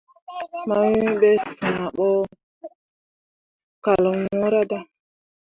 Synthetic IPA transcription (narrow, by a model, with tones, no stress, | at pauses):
ma˦wĩ˦ɓe˦sa˨a˨ɓɔ˦ | ka˨lŋu˦ɾa˦da˦